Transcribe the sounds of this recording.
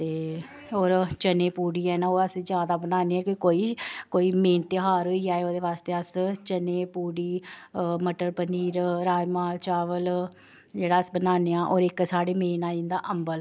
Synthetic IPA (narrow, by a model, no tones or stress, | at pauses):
t̪eː | oːɾt͡ʃəneːpuːɽiːɛːnãːoːɾəsĩːzjaːd̪aːbənaːneːɛːkɪkoːiːkoːiːmẽːnt̪eɦaːɾoːiːd͡ʒaːeːoːd̪eːʋaːst̪eːəst͡ʃəneːpuːɽiːməʈəɾpəniːɾɾaːjmãːt͡ʃaːʋəl | d͡ʒeːɽaːəsbənaːneːaːʔoːɾɪksaːɽeːmeːnãːɪ̃nd̪aːʔəmbəl